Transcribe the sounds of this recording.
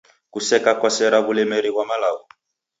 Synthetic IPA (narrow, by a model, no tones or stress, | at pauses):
kusɛkakɔsɛɾaβulɛmɛɾiβwamalaɣɔ